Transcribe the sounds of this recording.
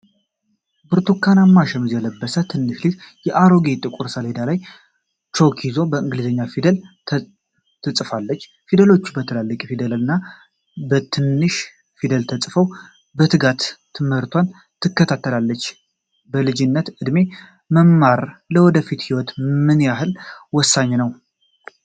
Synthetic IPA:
bɨɾt̪ʰukʰːanamːaʃɛmɨzjɛləbːəsət̪ʰɨnːɨʃlit̪jɛʔaɾoɡet̪ʼɨkʼuɾsəled̪alaj | t͡ʃokʰizo̞bəɨŋɡɨlɨzəɲːafid̪əlʰ | t̪ʰɨsʼfalːət͡ʃː | fid̪əlo̞t͡ʃːbət̪ʰəlalːəkʼfid̪ələlɨnːa | bət̪ʰɨnːɨʃ | fid̪əlt̪ʰəsʼfəw | bət̪ʰɨɡat̪ʰː | ɨmhɨɾt̪ʰwan | t̪ʰɨkːət̪ʰat̪ʰːəlalːət͡ʃː | bəlɨd͡ʒɪnːət̪ɨd̪me | məmːaɾləwɔd̪əfit̪hiwɔt̪mɨnjaɦɨlwɔsːaɲːnəw

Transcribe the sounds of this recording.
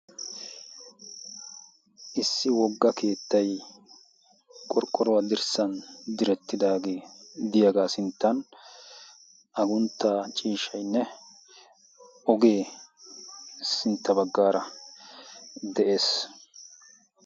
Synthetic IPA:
ʔɪsːɪwɔɡːɐke̞ːt̪ːɐj | kʼːɔɾkʼːɔɾɔwɐd̪ɪɾsɐnd̪ɪɾɛt̪ːɪd̪aːɡe̞ːd̪ɪjaɡaːsɪnt̪ːɐn | ɐɡʊnt̪ːaːt͡ʃʼiːʃɐjnːɛ | ʔɔɡe̞ː | sɪnt̪ːɐbɐɡːaːɾɐ | d̪ɛʔeːs

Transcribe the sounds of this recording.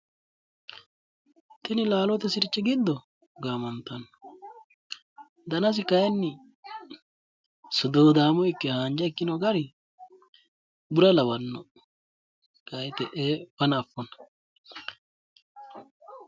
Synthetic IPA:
t̪ɪnɪlaːlɔt̪ɛsɪɾɪt͡ʃːɛɡɪd̪ːɔ | ɡaːmɐnt̪ːɐn | d̪ɐnɐs̬ɪkɐjɐnːɪ | sɔd̪owd̪aːmɔjɪkːɛhaːnd͡ʒɐɪkːɪnɔɡɐɾɪ | bʊɾɐlɐwɐnːɔ | kɐjt̪ɛʔeːfɐnɐfːɔnɐ̥

